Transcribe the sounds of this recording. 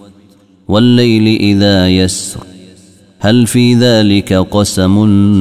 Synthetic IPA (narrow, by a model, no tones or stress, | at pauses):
walːajlɪʔɪðaːjasɾ | halfiːðaːlɪkaqɑsamʊn